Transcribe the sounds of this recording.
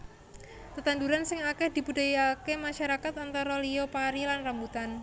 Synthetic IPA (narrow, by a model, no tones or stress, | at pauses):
t̪ət̪and̪uɾansɪŋakɛhd̥i̤pudajakemaʃaɾakat̪ant̪aɾɔliopaɾilanrambut̪an